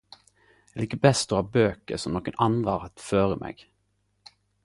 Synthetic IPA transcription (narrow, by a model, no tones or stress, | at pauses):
ɛliːkəbɛst̪ɔhɑːbøːkəsɔmnoːkənʔɑnd̪ʁəɑːʁɑt̪føːʁəmʔḛːɡ̥